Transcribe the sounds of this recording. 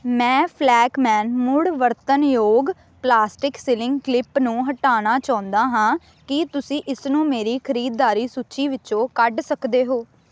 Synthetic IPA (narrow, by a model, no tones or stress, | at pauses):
mɛ̃ːpʰlɛːkmɛ̃ːnmʊɽʋəɾt̪ənjoːɡ | plaːsʈɪksɪlɪ̃ŋɡklɪpnũːɦəʈaːñaːt͡ʃaːʊ̃nd̪aːɦãː | kɪt̪ʊsĩːʔɪsnũːmeːɾiːkʰəɾiːd̪ːaːɾiːsuːt͡ʃiːʋɪt͡ʃõːkəɖsəkd̪eːɦoː